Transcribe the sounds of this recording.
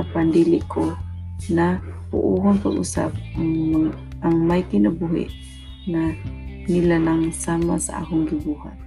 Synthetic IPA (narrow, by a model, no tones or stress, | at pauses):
apandilikʰonapṵʔuɦanpalṵsa̰p̚aŋ | aŋmajkinabuɦḭʔ | na | nilanaŋsamasa̰a̰ɦʊŋɡibuha̰t̪̚